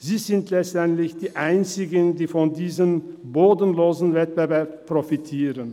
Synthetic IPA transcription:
ziːzɪntʰlɛt͡stɛntlɪçd̥iːʔaɪnt͡sɪɡəndiːfɔndiːzəm | boːdən̩loːzn̩vɛt̚b̥əvɛɐppʁ̥ofitʰiːʁən

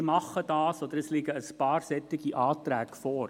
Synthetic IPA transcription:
mɑχːədɑːsod̪əɾdəsliɡəəspɑːrsɛtːɪɡiʔɑːtrækfɔːr

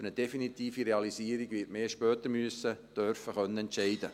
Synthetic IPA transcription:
ɾnəd̥ɛfinit̪iːfiɾeɑlisiːəɾiɡʋɪtmeːʃpœːt̪əɾmyəsəd̥œɾfəχœnːəɛntʃɛɪdə

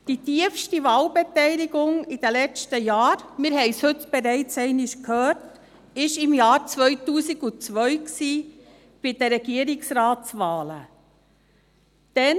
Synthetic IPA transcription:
d̥itiəfʃtivɑːlbɛtɛɪlɪɡʊŋɪd̥əlɛt͡stəjaːɾmɪɾɦɛɪshɵtb̥eɾɛɪt͡sɛɪnɪʃkʰhøːɾt | ɪʃɪmjɑːɾt͡sʋœʏtuːsiɡut͡sʋœʏksiː | b̥ɪd̥əɾɛɡiəɾɪksɾaːtt͡sʋaːlə | d̥ɛn

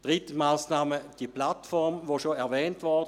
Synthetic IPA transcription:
d̥ʁɪtəmaːsnaːməd̥iplatfɔʁmvoʃoɛɐvɛːntvɔd

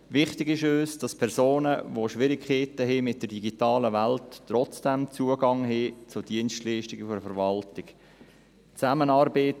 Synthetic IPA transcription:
ʋɪχtɪɡɪʃøːsd̥ɑspʰɛɾzoːnəʋoʃʋɪɾɪkχeːtəɦɪmɪt̚d̥əɾd̥iɡitɑːləʋæltːrɔt͡sd̥ɛmt͡suəɡɑŋɦɪt͡sʊd̥iənstliːʃtɪɡəfɔɾfəɾʋɑltɪɡ̥ | t͡sæmənɑːɾbeːt

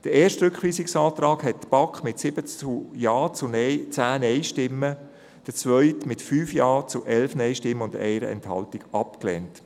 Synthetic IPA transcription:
d̥əeːʃtɾʏkχʋiːsɪksɑːt̪ɾɑːkhɛt̚tb̥ɑkχmɪtsɪb̥əujɑːt͡sʊnɛt͡sæːnɛɪʃtɪmːə | d̥ət͡sʋœʏtmɪtfyːfjɑːt͡sʊʔɛlfnɛɪʃtɪmːəʊndɛ̰ɪɾə̰ɛ̰nthɑ̰ltɪɡ̥ɑpklɛ̰nt

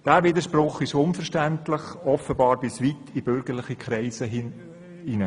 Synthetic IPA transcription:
d̥æːʋɪd̪əʃprʊχɪʃʊnfəɾʃtæntlɪχɔfəbɑːɾbɪsʋitʰibʏɾɡəɾlɪχikʰɾɛɪsə | inə

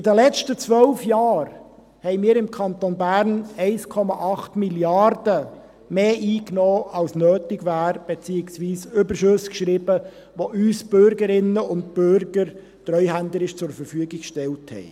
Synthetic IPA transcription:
ɪdəlɛt͡ʃtət͡sʋœlfjɑːr | hɛɪmiːɾɪmkʰɑntonbæɾnɛɪskʰɔmɑʔɑχtmiljɑɾdə | meːʔiːknoːɑlsnøːtɪɡʋæːɾb̥ɛt͡siːɪksʋiːsʏbəɾʃɵskʃɾib̥ə | ʋoʔyːsb̥ʏɾɡəɾɪnəʊnt̚b̥øɾɡ̥əɾ | t̪rœʏɦændəɾɪʃt͡sʊɾfəɾfyəɡɪkkʃtɛlthɛ̰ɪ

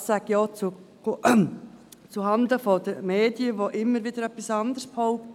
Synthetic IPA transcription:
sæɡjɔt͡su | t͡suɦɑnd̪əfodəɾmeːdiəʋoʔɪmːəɾʋɪd̥əɾœpːisɑnd̪əɾsphɔʊp̚t

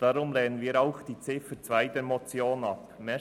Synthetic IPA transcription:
d̥ɑɾʊmlɛːnənviːɾɑʊχd̥iːt͡sɪfət͡svæɪd̪ɛɾmɔt͡sjoːnɑpmɛ

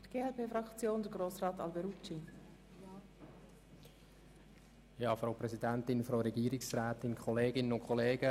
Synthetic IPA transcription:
d̥əɡ̥eːɛlpeːfɾɑkt͡sjoːndəɾɡroːsrɑːtɑ̰lbɛɾut͡ʃi | jɑːfɾaʊpɾɛzidɛnt̪ɪnfɾaːɾɛɡiːɾɪksrɛːt̪ɪnkʰχɔleːɡɪnənʊnkʰχɔleːɡ̥ə

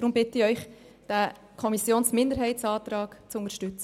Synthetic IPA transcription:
d̥ɾʊmbɪtɪœʏχ | d̥æ | kʰɔmisjoːnsmɪndəɾɦɛɪtsɑːt̪ɾɑːɡ̥t͡sʊnəɾʃtʏt͡sə

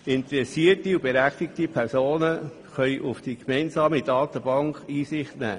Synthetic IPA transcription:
ɪnt̪ɾɛsiətiub̥eɾæχt̪ɪk̚tipʰɛɾsoːnə | χœjʔʊfd̥ikmɛɪnsɑːmidɑːt̪əbɑŋkiːsɪχtnæ̰ː

